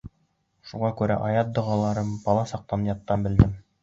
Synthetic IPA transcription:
ʃuʁɑkʉɾæ̰ʔɑjɑt̪̚d̪ŏʁɑlˠɑɾɤmbɑlˠɑsɑq̚t̪ɑnjɑt̪ːɑmbɘ̆ld̪ɘm

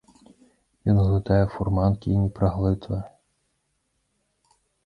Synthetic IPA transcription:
jinɦlˠɪt̪ɑjɛfʊrmɑnkʲijnʲipɾɐɦlˠɪt̪ʋɐ

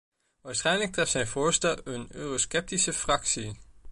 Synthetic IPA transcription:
ɒsʁaneɡ̥̚d̥ʁɛfsæɪnfɔɐsd̥ɐønøʁosɡ̥eb̥̚d̥isəfʁɑɡ̥si

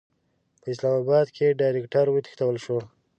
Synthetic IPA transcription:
pəɪs̬lɑmɑbɑd̪kʰeɖɑjɾekʈaɾwet̪i̥xt̪awəlʃo

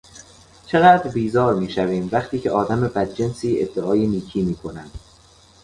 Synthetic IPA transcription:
t͡ʃʰe̞ɣæːd̪ɾbiːzɒːɾmiːʃæviːmvæχt̪ʰiːcʰeʔɒːd̪æme̞bæd̪̚d͡ʒe̞nsiːḛd̪ːeʔɒːjeniːcʰiːmiːkʰo̞nænd̪̥

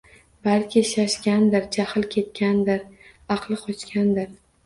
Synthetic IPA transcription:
balkʲʰɪʃaʃkʲand̪ɪɾd͡ʒahɨlkʲʰe̞t̪̚kʲʰand̪ɪɾ | ɑqʰlˠɪqʰɒt͡ʃkʲʰand̪ɪɾ

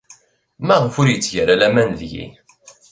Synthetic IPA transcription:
mæʁəfʊɾjət͡sːʝəɾælæmænðʝḭ

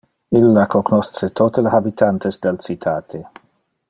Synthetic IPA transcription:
ilːakoknɔst̪set̪ʰot̪elehabit̪ʰant̪esd̪elt͡ʃit̪ʰaːt̪ʰe

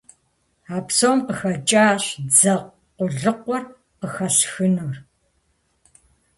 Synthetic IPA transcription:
aːpsɐwmqəxɐt͡ʃʼaːɕd͡zɐʁ | qʷʊɮɨqʷɔr | qəxɐsxɨnoːr

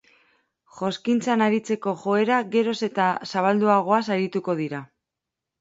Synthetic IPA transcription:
ʝo̞skint͡sanaɾit͡se̞ko̞ʝo̞e̞ɾaɣe̞ɾo̞se̞t̪asaβald̪uaɣ̞o̞asaɾit̪uko̞ð̞iɾa

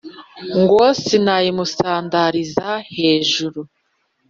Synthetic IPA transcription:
ŋɡoːsinajimusaːndaɾizahe̞ːʒuɾu

